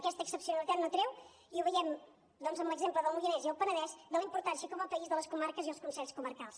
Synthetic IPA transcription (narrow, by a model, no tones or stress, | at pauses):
əkɛst̪əːksəpsiunəlit̪at̪not̪ɾew | iuβəjɛm | d̪ɔnzəmbləɡzempləðəlˠmulinɛziəlˠpənəðɛʃd̪əlˠimpuɾt̪ansjəkɔməlˠpəizðələskumaɾkəziəlˠskunsɛɾskuməɾkalˠs